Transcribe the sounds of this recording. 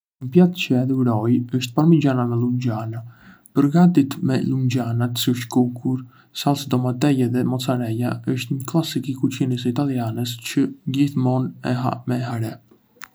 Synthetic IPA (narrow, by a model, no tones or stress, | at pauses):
mpjat̪t͡ʃəɛðuɾɔjəʃt̪̚paɾmid͡ʑanamɛlumɟana | pəɾɡat̪it̪mɛlumd͡ʑanat̪siəʃt̪kukʰuɾ | salˠsd̪ɔmat̪ɛjɛðɛmɔt͡saɾɛjaəʃt̪ɲəklˠasikikut͡ʃinisit̪alianəst͡ʃədihθmɔnɛ̰ɦa̰mɛɦaɾɛ